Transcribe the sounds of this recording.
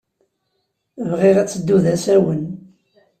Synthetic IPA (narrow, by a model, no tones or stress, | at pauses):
vʁiʁæt͡sːəd̪ːuðæsæwən